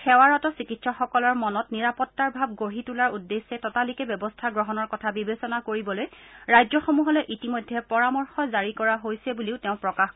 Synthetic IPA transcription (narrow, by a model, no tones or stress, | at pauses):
xɛwaɹɔtɔsikitsɔxɔkɔlɔɹmɔnɔtniɹapɔtːaɹbʱab̚ɡoɹitulaɹudːesːɛtɔtalikɛbjɔbɔstʰaɡɹɔɦɔnɔɹkɔtʰabibesɔnakoɹibɔlojɹajzɔxomuɦɔlɛʔitimojdʱːɛpɔɹamɔɹxɔzaɹikɔɹaɦojsɛbuliʊteʊ̃pɹɔkax